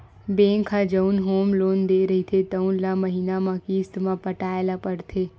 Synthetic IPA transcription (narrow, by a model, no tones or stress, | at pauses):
bẽːŋkʰad͡ʒəunɦoːmloːnd̪eɾəɦit̪ʰet̪əunlaməɦiːnamãkist̪mãpəʈaːelapəɽt̪ʰe